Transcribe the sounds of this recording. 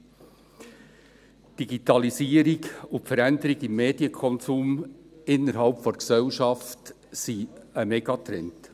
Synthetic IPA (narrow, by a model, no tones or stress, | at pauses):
d̥iɡitɑlisiːəɾɪɡʊtfəɾænd̪əɾɪɡɪmːeːd̥jəkʰɔnsuːmɪnːəɾɦɑlpfɔnksɛlʃɑft | siəmɛɡɑtɾɛnt